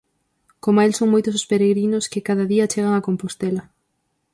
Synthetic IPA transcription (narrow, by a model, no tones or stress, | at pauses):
komelsoŋmojt̪ʊso̥speɾeɣɾinʊskɪkaðɐðiɐt͡ʃeɣ̞ɐŋɐkompost̪ɛlɐ